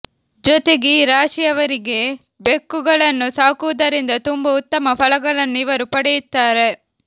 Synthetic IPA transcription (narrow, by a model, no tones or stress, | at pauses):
d͡ʒɔt̪e̞ɡiɾaːʂijɐʋɐɾiɡe̞ | be̞kːuɡɐɭɐnːusaːkuʋɐd̪ɐɾind̪ɐt̪umbɐut̪ːɐmɐpɐlɐɡɐɭɐnːuiʋɐɾupɐɽɛjut̪ːaːɾe̞